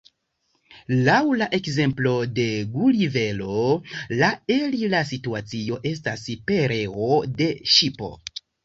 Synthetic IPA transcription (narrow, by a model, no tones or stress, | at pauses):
lawlaʔe̞kze̞mplo̞de̞ɡulive̞lo̞laelilas̬ituat͡sio̞ʔe̞s̬tasipe̞ɾeo̞de̞ʃipo̞̰